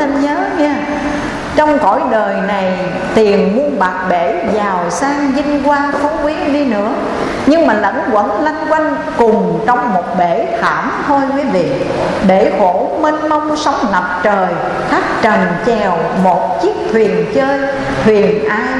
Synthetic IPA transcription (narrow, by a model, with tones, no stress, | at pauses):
ɲəː˨˦ɲaː˧ | t͡ɕɔ˧wŋ͡mkɔ̰˧˩jɗəː˨˩jna˨˩j | t̪i˨˩ənmu˧ənɓa˨˩k̚ɓe˧˩zaː˨˩wsaː˧ŋzï˧ŋ̟kwaː˧nfu˨˦kwi˨˦əɗi˧nɨ̰˧˥ə | ɲɨ˧ŋmaː˨˩lə̰˧˥nkwə̰˧˥nla˧jŋ̟kwa˧jŋ̟ | kʊ˨˩ŋ͡mt͡ɕɔ˧wŋ͡mmo˨˩t̚ɓe˧˩t̪ʰa̰ː˧˩mt̪ʰo˧jkwi˨˦vḭ˧˨ | ɓe˧˩xo˧˩˥me˧nmə˧wŋ͡msə˨˦wŋ͡mnə˨˩p̚t͡ɕəː˨˩j | xʰa˦˥k̚t͡ɕə˨˩nt͡ɕɛ˨˩w | mo˨˩t̚t͡ɕi˦˥ək̚t̪ʰwi˨˩ənt͡ɕəː˧j | t̪ʰwi˨˩ənʔaː˧